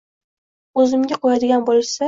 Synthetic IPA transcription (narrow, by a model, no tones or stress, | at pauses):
ɵzɪmɡʲaqʰojad̪ɪɡʲanbolˠsa